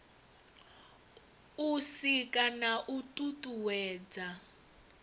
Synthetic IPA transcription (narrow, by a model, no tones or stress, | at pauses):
usikʼanaʔutʼutʼuwɛːd͡za